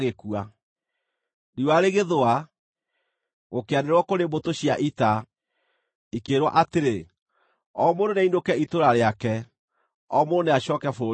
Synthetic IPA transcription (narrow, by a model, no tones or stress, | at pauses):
ɣekua | ɾiwaɾeɣeðoa | ɣokeaneɾwɔkoɾembotoɕiaʔita | ikeɾwa̰ʔateɾe | ɔmoɾonɛindokɛitoɾaɾeakɛ | ɔmooneaɕɔːkɛfo